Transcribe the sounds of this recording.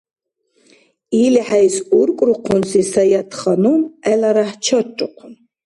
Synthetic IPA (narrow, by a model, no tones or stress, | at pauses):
iliħaisuɾkʼɾuqʰʊnsisajat̪ʰχanumɛlaɾaħt͡ʃʰɔtʼːʊqʰʊn